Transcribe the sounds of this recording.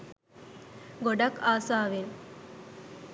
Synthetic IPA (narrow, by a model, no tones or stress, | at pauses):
ɡoɖɐkaːsaːʋe